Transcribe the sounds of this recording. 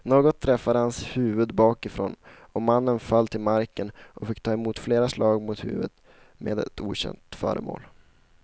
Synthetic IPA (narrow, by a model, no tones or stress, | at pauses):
noːɡɔt̪ʰːɾɛfːad̪əhanshʉ̟ːvɵd̪bɑːkɪfɾo̰ːn | ɔmanːənfalːt̪ʰɪlmaɾkənʔɔfɪkːt̪ʰɑːɛmuːt̪fleːɾaslɑːɡmʊt̪hʉ̟̰ːvət̪ | mḛːd̪ɛ̰t̪ṵːɕɛ̰nt̪fœ̰ːɾəmo̰ːl